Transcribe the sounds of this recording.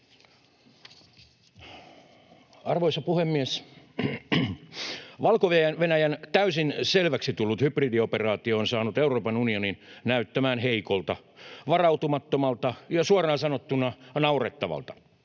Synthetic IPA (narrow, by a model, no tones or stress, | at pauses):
ɑrʋoisɑpuhemːies | ʋɑlkoʋejænʋenæjænt̪æysinselʋæksit̪ulːut̪hypridioperɑːt̪ioonsɑːnut̪euroːpɑnunioninnæyt̪ːæmæːnheikolt̪ɑ | ʋɑrɑut̪umɑt̪ːomɑlt̪ɑjɑsuɑrɑːsɑnot̪ːunːˑɑnɑuret̪ːɑʋɑ̰lt̪ɑ̥